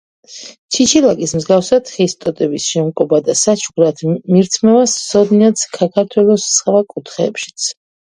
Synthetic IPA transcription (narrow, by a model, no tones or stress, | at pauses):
t͡ʃʰit͡ʃʰilakʼismzɡafsad̪χist̪ʼɔt̪ʼɛbisʃɛmkʼɔbad̪asat͡ʃʰuɡɾat̪ʰmiɾt̪ʰmɛvassɔd̪niat̪skʰakʰaɾt̪ʰwɛlˠɔssʰʼχvakʼut̪ʰχɛːpʃi̥t̪sʰ